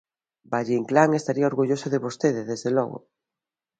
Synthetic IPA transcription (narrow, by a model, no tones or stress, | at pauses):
baʎiŋklaŋest̪aɾiaoɾɣuʎosoðeβost̪eðeðezðelɔ̰ɣo̰